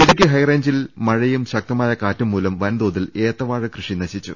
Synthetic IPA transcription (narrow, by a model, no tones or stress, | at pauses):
eðukʲːɨɦɐjreːɲd͡ʑilmɐɻɐjumɕɐk̚t̪ɐmaːjɐkaːtːumːuːlɐmʋɐnd̪oːðileːt̪ːɐʋaːɻɨkrɨʂinɐɕit͡ɕːṵ